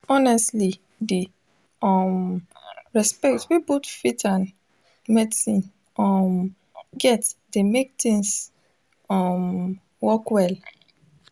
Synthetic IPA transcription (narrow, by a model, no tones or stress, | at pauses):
ɔnɛstli | di | ɔm | ɹɛspɛktwibotfitʰãn | mɛdisĩn | ɔm | ɡɛtdemek̚tĩŋs | ɔm | wɔkwɛl